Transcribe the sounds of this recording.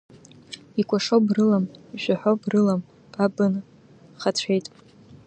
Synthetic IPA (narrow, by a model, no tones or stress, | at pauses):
ikʷʰʼaʂobrɨlamiʒʷᶣaħʷobrɨlam | pʼabɨn | χat͡ɕʷʰejtʼ